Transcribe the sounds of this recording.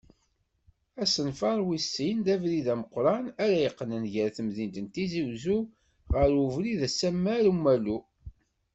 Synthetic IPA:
æsənfɑɾˤwisːind̪ævɾiðæməqɾˤɑnæɾæjəqːnənʝəɾθəmðint̪ənt̪iziwzu | ʁəɾuvɾiðæsːæmːæɾumːælu

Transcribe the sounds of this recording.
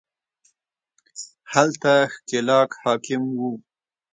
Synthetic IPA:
halt̪axkɪlɑːkhɑːkɪmwu

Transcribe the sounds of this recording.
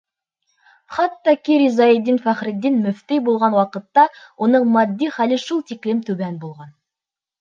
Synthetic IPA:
χɑt̪ːɑkiɾizɑjid̪ːinfæχɾɘ̆d̪ːinmɵ̆ft̪ijbulˠʁɑnwɑqɤ̆t̪ːɑwʔonɤɴmɑd̪ːiχælɘʃulˠt̪iklɘmt̪ʉbænbulˠʁɑn

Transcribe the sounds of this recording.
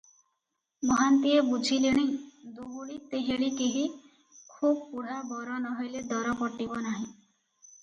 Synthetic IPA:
mɔɦant̪iebud͡ʒʱileɽ̃ed̪uɦuɭit̪eɦeɽikeɦi | kʰub̚puɽ̤abɔɾɔnɔɦojled̪ɔɾɔpɔʈibɔnaɦĩ

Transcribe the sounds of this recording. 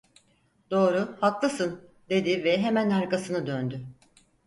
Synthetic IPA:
d̪̥o̞ːɾuhaklˠɯsɯn | d̪e̞d̪ivɛɦemænaɾkasɯnɯd̪ønd̪y

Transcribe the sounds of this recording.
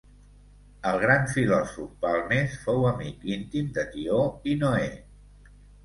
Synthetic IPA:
əlˠɣ̞ɾaɱfilɔsufpalˠnesfowəmikint̪imd̪ət̪ioinoe

